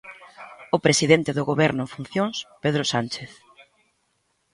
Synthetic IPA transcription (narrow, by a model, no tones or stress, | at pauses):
ʊpɾesiðent̪eðʊɣoβɛɾnʊeɱfun̟θjõŋspeðɾosant͡ʃeθ